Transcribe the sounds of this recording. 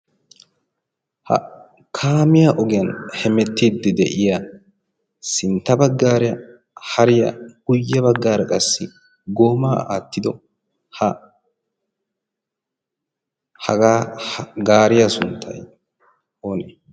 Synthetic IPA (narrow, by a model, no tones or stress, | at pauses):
hɐ̰ | kʰaːmɪjaʔɔɡɪjɐnhɛmɛt̪ːiːd̪ːɛd̪ɛ̰ʔɪja | sɪnt̪ːɐbɐɡːaːɾɛjɐ | hɐɾɪjɐ̰ɡʊjːɐbɐɡːaːɾɐkʼɐsːɪ | ɡoːmaːa̰ːt̪ːɪd̪ɔ | hɐ | hɐ̰ɡaːɡaːɾɪjɐsʊnt̪ʰːɐ̰j | o̞ːne